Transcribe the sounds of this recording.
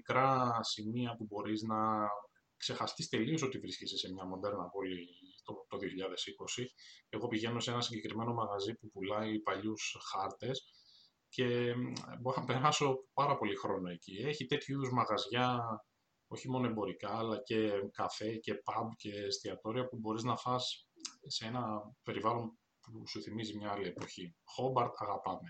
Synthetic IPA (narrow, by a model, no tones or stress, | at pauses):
ikɾɐsimiɐpubo̞ɾiznɐ | kse̞xɐst̪ist̪e̞lio̞s̬o̞t̪ivɾiscesese̞mɲɐmond̪e̞ɾnɐpo̞lit̪ot̪oðio̞çiʎɐðe̞siko̞sieɣo̞piʝe̞no̞senɐsiɲɟe̞kɾime̞no̞mɐɣɐzipupulɐipɐʎusxɐɾt̪e̞s | ce̞bpe̞ɾɐso̞pɐɾɐpo̞lixɾo̞noe̞cie̞çit̪e̞t̪çuiðozmɐɣɐzʝɐ | o̞çimo̞no̞e̞bo̞ɾikɐːlɐce̞kɐfe̞ce̞pɐbce̞st̪iɐt̪o̞ɾiɐpubo̞ɾiznɐfɐsseenɐpe̞ɾivɐlo̞n | pusuθimizimɲɐɐlie̞po̞çixo̞bɐɾt̪ɐɣɐpɐme̞